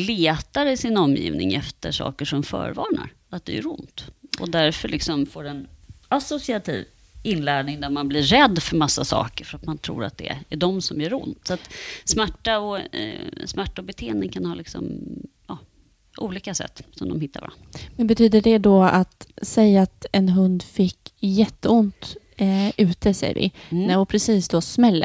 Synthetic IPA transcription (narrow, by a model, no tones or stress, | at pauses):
leːt̪aɾɪsɪnɔmjḭːvnɪ̰ŋɛft̪əʂɑ̰ːkəʂɔmfœ̰ːɾvɑːɳa̰ɾ | at̪̚d̪ɛæɾʊnt̪ɔd̪æɾfœɭʔɪksɔmfoːɾɛnasʊsɪat̪ʰḭːv | ɪnːlæːɳɪŋd̪æɾmanbliːɛd̪ːfœɾmasːasɑ̰ːkəɾfœɾat̪mant̪ʰɾṵːɾa̰t̪̚d̪ɛæɖɔmsɔmjœːɾʊ̰nt̪sat̪smæʈːaɔ | smæʈːaɔbɛt̪ʰeːənɪŋkʰanhɑːlɪksɔ̰m | jɑː | ʔuːliːkasɛ̰t̪ːsɔmd̪ɔmhɪt̪ːa̰ɾva̰a̰nmɛnbɛt̪ʰyːd̪əɖɛd̪ɔat̪sɛjːaːt̪ɛnɦɵnd̪fɪkːjɛt̪ːəʊnt̪ | ʉ̟ːt̪əsɛ̰jvɪ̰nɛɔpʰɾɛsiːsd̪ɔsmɛlːə̰